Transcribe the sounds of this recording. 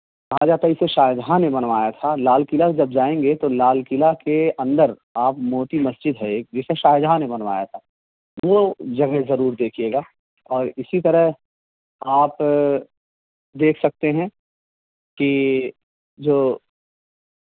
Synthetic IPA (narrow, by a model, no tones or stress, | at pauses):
kɐɦad͡ʒaːt̪aɪseʃaːjɪd̪ɦanẽbɐnʋaːjat̪ʰalaːlkɪlad͡ʒɐb̚d͡ʒaːẽːŋɡet̪olaːlkɪlakeʔɐ̃nd̪əɾ | aːpmoːt̪imɐsd͡ʒɪd̪ɦɛed͡ʒɪseʃaːjɪd̪ɦanẽbɐnʋa̰ːjat̪ʰaː | ʋod͡ʒɐɡɛɦzɐɾuːɾd̪eːkʰijeːɡaː | ɔːɾɪsit̪̬ɐɾəɦ | aːp | d̪eːkʰsɐk̚t̪eɦɛ̃ | ki | d͡ʒoː